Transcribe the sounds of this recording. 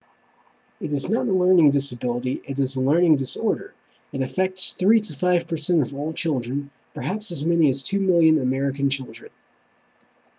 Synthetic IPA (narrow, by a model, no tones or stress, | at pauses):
ɨɾɨznəɾəlɜ̃˞nɪ̃ŋdɪsɨbɪlˠəɾiʔɨɾɨzəlɜ̃˞nɪ̃ŋdɨsɔɹɾə̰˞ | ɨɾɨfɛk̚tsθɹiɾɨfaɪv̥pʰə˞sɛ̃ntʌvɔlˠt͡ʃʰɪlˠdɹɨ̃n | pʰə˞ɦæpsɨzmɛniɨz̥tʰʉmɪlˠjɨ̃nəmɛɹɨkɨ̃n̩t͡ʃʰɪlˠdɹɨ̰̃n